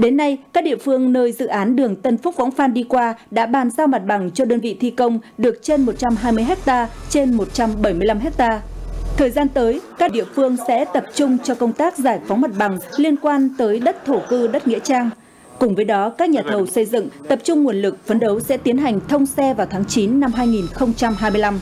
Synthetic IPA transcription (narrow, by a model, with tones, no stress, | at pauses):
ɗe˨˦nːa˧jkaː˦˥k̚ɗḭ˧˨əfɨ˧əŋnəː˧jzɨ̰˧˨ʔaː˨˦nɗɨ˨˩əŋt̪ə˧nfʊ˦˥k͡p̚vɔ̰˧˥ŋ͡mfaː˧nɗi˧kwaː˧ɗa̰ː˧˥ɓaː˨˩nzaː˧wma˨˩t̚ɓa˨˩ŋt͡ɕɔ˧ɗəː˧nvḭ˧˨t̪ʰi˧kə˧wŋ͡mɗɨ˨˩ək̚t͡ɕe˧nmo˨˩t̚t͡ɕa˧mɦaː˧jmɨ˧əjɦɛ˦˥k̚t̪aː˧t͡ɕe˧nmo˨˩t̚t͡ɕa˧mɓə˧˩jmɨ˧əla˧mɦɛ˦˥k̚t̪aː˧t̪ʰəː˨˩jzaː˧nt̪əː˨˦jkaː˦˥k̚ɗḭ˧˨əfɨ˧əŋsɛ̰˧˥t̪ə˨˩p̚t͡ɕʊ˧ŋ͡mt͡ɕɔ˧kə˧wŋ͡mt̪aː˦˥k̚zaː˧˩jfɔ˨˦wŋ͡mma˨˩t̚ɓa˨˩ŋli˧ənkwaː˧nt̪əː˨˦jɗə˦˥t̚t̪ʰo˧˩kɨ˧ɗə˦˥t̚ŋḭ˧˥ət͡ɕaː˧ŋ | kʊ˨˩ŋ͡mvəː˨˦jɗɔ˨˦kaː˦˥k̚ɲaː˨˩t̪ʰə˨˩wsə˧jzɨ̰˧˨ŋt̪ə˨˩p̚t͡ɕʊ˧ŋ͡mŋu˨˩ənlɨ˨˩k̚fə˨˧nɗə˨˦wsɛ̰˧˥t̪i˨˦ənɦa˨˩jŋ̟t̪ʰə˧wŋ͡msɛ˧vaː˨˩wt̪ʰaː˨˦ŋt͡ɕi˨˦nːa˧mɦaː˧jŋi˨˩nxə˧wŋ͡mt͡ɕa˧mɦaː˧jmɨ˧əjla˧m